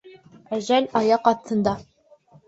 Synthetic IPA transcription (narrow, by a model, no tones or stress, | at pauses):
æʑælʲɑjɑqɑθt̪ʰːɤ̆nd̪ɑ